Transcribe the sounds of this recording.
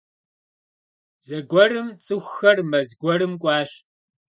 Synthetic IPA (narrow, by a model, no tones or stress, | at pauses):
zɐɡʷɔrɨmt͡sʼɨxʷxɐrmɐzɡʷɔɾɨmkʷʼɑːɕ